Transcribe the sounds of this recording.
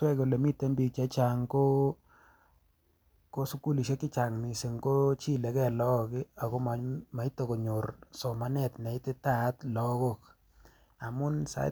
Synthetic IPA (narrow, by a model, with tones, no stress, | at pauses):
wɛ˦ko˨le˨mi˦te˦mbi˨k̚t͡ʃa˦t͡ʃa˨ŋko˦ | ko˦su˦ku˦li˨ʃe˦kɪ˦t͡ʃa˨ŋmi˨se˨ŋko˦t͡ʃi˦le˨kɛ˦˨lɔ˦kɪ˦a˨ko˦ma˨ma˨i˦to˨ko˨ɲo˨ɾso˨ma˦nɛ˦˨tna˨i˦te˦ta˦tlɔ˦ko˦k | a˨mʊ˦nsa̰˦